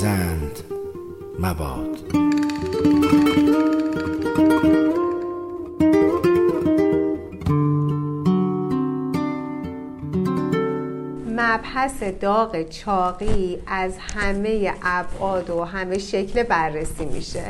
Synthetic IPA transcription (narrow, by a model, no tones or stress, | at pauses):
ænd̪ | mæbɒ̰ːd̪̥ | mæbhæse̞d̪ɒːɣet͡ʃʰɒːɣiæzhæme̞je̞ʔæbʔɒːd̪oɦæme̞ʃe̞cʰlebærːesiːmḭʃḛ